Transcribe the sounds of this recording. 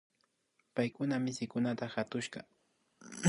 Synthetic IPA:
pajkʊnamɪsɪjkʊnat̪axat̪ʊʃɢɑ

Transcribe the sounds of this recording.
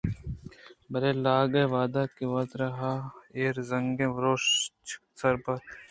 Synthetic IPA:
bɐɾeːlaːɡɐʋaːd̪aːkiʋɐt̪ɾɐɦaːeːɾzɐŋɡẽːʋɾoːʃt͡ʃsɐɾbɐt̪

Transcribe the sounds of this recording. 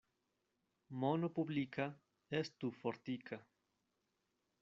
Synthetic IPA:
monopublikʰa | est̪ufoɾt̪ikʰa

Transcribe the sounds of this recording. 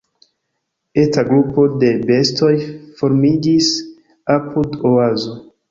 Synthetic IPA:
e̞taɡɾupo̞de̞be̞sto̞jfo̞ɾmid͡ʒis | apʰudoazo̞

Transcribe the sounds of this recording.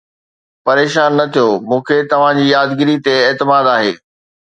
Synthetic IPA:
pɐɾeːʃaːnːɐt̪ʰijomũːkʰet̪ɐʋ̤ãd͡ʑiːjaːd̪ɡɪɾit̪eeːt̪ɪmaːd̪aːɦḛː

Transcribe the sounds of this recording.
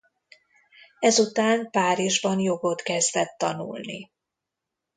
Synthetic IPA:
ɛzut̪aːnpaːɾiʒbɒnjo̞ɡo̞t̪kɛzd̪ɛt̪ːɒnṵlnḭ

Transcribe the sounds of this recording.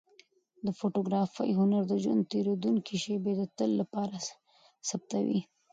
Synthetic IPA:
d̪əfoʈoɡɾɑfə̰jɦʊnaɾd̪əʒwa̰nd̪̚t̪eɾod̪uŋkʰiʃebed̪ət̪əlːapɑɾa | sab̚t̪awḭ

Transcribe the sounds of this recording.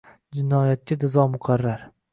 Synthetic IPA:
d͡ʒɪnɒjat̪̚kʲad͡ʒ̪azɒmʊqʰɑɾːaɾ

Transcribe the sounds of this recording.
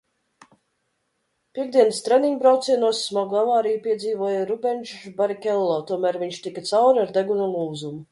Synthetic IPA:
pʲiɛɡ̚d̪iɛnst̪ɾɛniɲbɾawt̪sʲiɛnuɔsːmɔɡˠavaːɾijupʲiɛd̪ziːvuɔjaɾubɛnʃbaɾikʲɛlˠːɔːt̪uɔmæːɾviɲʃt̪ikat̪sawɾaɾd̪ɛɡunulˠuːzumu

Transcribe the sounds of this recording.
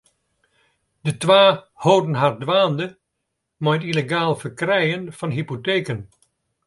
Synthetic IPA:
d̥ətʋaː | hoːdənɦar̚dʋaːndə | mɔjtileɡaːlˠfərkrɛjənv̥ɑnɦipoteːkən

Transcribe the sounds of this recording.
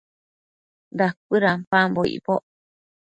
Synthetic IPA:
d̪ak̚ɨɾampamboḭpoʔ

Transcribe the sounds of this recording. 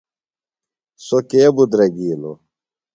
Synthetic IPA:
sokeːbud̪ɾɐɡiːlo̰

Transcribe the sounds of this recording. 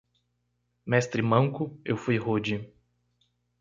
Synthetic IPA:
mɛst̪ɾɪmɐ̃ŋkʊewfujɦod͡ʒi

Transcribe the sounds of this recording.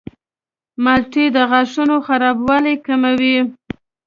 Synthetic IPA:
malʈid̪əɣaʂunoxaɾɑbwɑlekamawi

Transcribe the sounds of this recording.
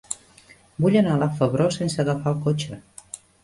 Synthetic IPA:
buʎənalafəβɾosensəɣəfaəlˠkot͡ʃə

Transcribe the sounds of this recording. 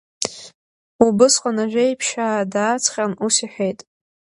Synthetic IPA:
ubɨsqʷʼanaʒᶣʷejpʰʃaːdaːt͡sʰχʲanusiħʷᶣejtʼ

